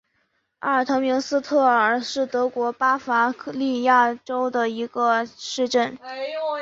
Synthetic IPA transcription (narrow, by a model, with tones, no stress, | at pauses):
a˥˩ə˨˩t̪ʰɤ˧˥ŋmi˧˥ŋsɹ̩˥t̪ʰɤ˥˩ə˞˨˩ʂɻ̩˥˩t̪ɤ˧˥kwɔ˧˥pa˥fa˧˥li˥˧ja˥˩ʈ͡ʂo˥ʊd̪ə˨i˧˥ɡə˧ʂɻ̩˥˧ʈ͡ʂə˥˩n